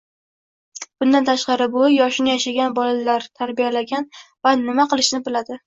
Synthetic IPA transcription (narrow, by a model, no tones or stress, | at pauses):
b̥ʊnd̪ant̪ʰaʃqɑɾɪbʊjɒʃɪnɪjaʃaɡʲanbɒlalaɾt̪ʰaɾbijalaɡʲanvanɪmaqɨlˠɪʃnɪbɪlad̪ɪ